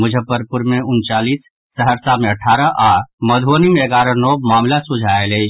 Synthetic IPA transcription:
mʊd͡ʒʱəpəɾpʊɾmeʊnt͡ʃaːlisː | əɦəɾsameəʈʰaːɾəʔaːməd̪ʱonimeːɡaːɾənɔmaːmlasud͡ʒʱaelɛ

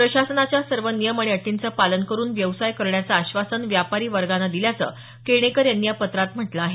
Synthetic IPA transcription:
pɾəɕasənat͡ɕjasəɾʋənijəməɳ̃iəʈːint͡səpalənkəɾuːnʋjəʋsajkəɾɳjat͡saːɕʋasənʋjapaɾiːʋəɾɡanad̪iljat͡sə̰ | keɽ̃ekəɾjanːijapət̪ɾat̪m̤əʈlaaɦe

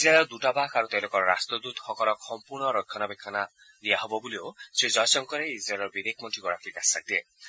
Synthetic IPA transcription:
izɾalɔɾd̪uʈabakaɾut̪ejlokɔɾɔɾa̰st̪ɾɔd̪ut̪hɔkɔɾɔkːɔmpuɾɳɔɾɔjkʰːɔnabekʰːana | liaɦobɔbuliosed͡ʒɔjsɔŋkɔɾeizɾalɔɾbid̪ekʰmɔnʈʰiɡɔɾakʰikasa̰k̚d̪ie

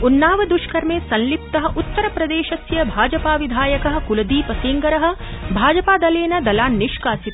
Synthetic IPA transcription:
unːaːʋɐd̪uʃkɐɾmeːsɐnlip̚t̪ɐɦɐ̆ʔut̪ːɐɾɐpɾɐd̪eːʃɐsjɐbʱaːd͡ʒɐpaːʋid̪ʱaːjɐkɐɦɐ̆kulɐd̪iːpɐsiːŋɡɐɾɐɦɐ̆bʱaːd͡ʒɐpaːd̪ɐleːnɐd̪ɐlaːnːiʃkaːsit̪

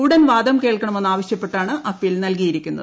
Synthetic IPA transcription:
uːɽɐnʋaːd̪ɐmkeːɭkɐɳɐme̞nːaːʋɐɕjɐpːe̞ʈːaːɳɨʔɐfilnɐlkijiɾikʲːunːɐ̰

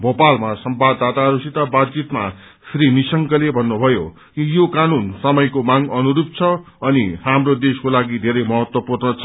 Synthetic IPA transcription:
bopalmasʌmbad̪ːat̪aɦʌɾusit̪abat͡sit̪ma | srinisʌŋkʌlebʱʌnːubʱʌjo | kijokanunsʌmʌjkomaŋʌnuɾup̚t͡sʰʌ | ʌnihamrod̪eskolaɡid̪ʱeɾʌjmʌɦʌt̪wʌpurnʌt͡sʰʌ

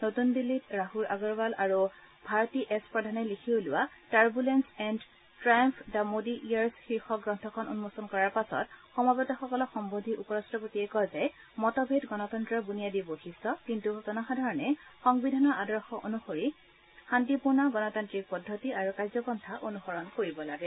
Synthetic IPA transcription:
notunbilːitɹaɦuɹʔaɡɔɹbalʔaɹu | bʱaɹɔtiʔɛspɹɔdʱanɛlikʰiʊlʊwataɹbulɛnsɛnd | tɹajɔmpʰdamodiʔijaɹsxiɹxɔɡɹɔntʰɔkʰɔno̰numosɔnkɔɹaɹpasɔ̰txɔmabɔtɔxɔkɔlɔkxɔmbodʱiʔupɔɹastɹɔpotiɛkɔjzɛ | mɔtɔbʱedɡɔnɔtɔntɹɔbunijadiboxistɔkintutɔnɔxadʱaɹɔnɛxɔŋbidʱanɔɹadɔɹxɔʔonuxoɹi | xantipuɹnaɡɔnɔtantɹik̚pɔdʱːotiaɹukajzɔkɔntʰaʔonuxɔɹɔnkoɹibɔlaɡɛ

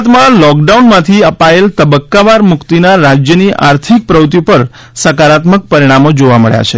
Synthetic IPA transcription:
t̪mãlɔk̚ɖaunmãt̪ʰiəpaelt̪əbəkːaʋaɾmʊkt̪inaɾad͡ʒjəniʔa̰ɾt̪ʰik̚pɾəwt̪ipəɾ | səkaɾat̪mək̚pəɾiɽ̃amod͡ʒoʋaməɭja̰t͡ʃʰe

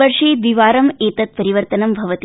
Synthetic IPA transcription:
ɐɾʂeːt̪ʋiʋaːɾɐmeːt̪ɐt̪̚pɐɾiʋɐɾt̪ɐnɐmbʱɐʋɐt̪i

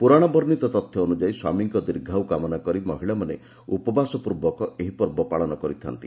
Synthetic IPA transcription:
puɾaɽ̃abɔɾnit̪ɔt̪ɔt̪ʰjɔonud͡ʒaiswa̰miŋkɔd̪iɾɡʱawkamɔnakɔɾimɔɦiɭamanḛ | upɔbasɔpuɾbɔkɔeɦipɔɾbɔpaɭɔnɔkɔɾit̪ʰa̰nt̪i

